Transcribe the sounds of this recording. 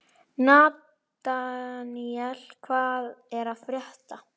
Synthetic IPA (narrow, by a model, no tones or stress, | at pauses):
naːt | aniɛlkʰvaːðɛɾaðfɾjɛht̪a